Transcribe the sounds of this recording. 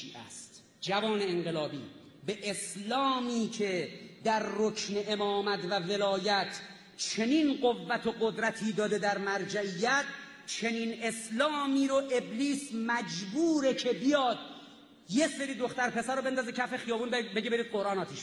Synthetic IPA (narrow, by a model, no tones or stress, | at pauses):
iːʔæ̰st̪ | d͡ʒævɒːne̞enɢelɒːbḭː | beʔeslɒːmiːcʰed̪æɾːokʰneʔemɒːmæt̪ʰvæve̞lɒːjæt̪ʰ | t͡ʃʰe̞niːnɢovːæt̪ʰoɡod̪ɾæt̪ʰiːd̪ɒːd̪ed̪æɾmæɾd͡ʒæijːæt̪̚ | t͡ʃʰe̞niːne̞slɒːmiːɾoʔe̞bliːsmæd͡ʒbuːɾe̞kʰe̞bijɒːd̪̚ | je̞seɾiːd̪oxt̪æɾpʰe̞sæɾobe̞nd̪ɒːzecʰæfe̞xijɒːbuːnbeɟebe̞ɾiːd̪̚ɢo̞ɾɑːnɒːt̪ʰiːʃ